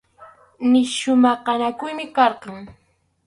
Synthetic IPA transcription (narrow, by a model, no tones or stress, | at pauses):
nɪʃʊmɑqɑnakʊjmɪkɑɾqɑŋ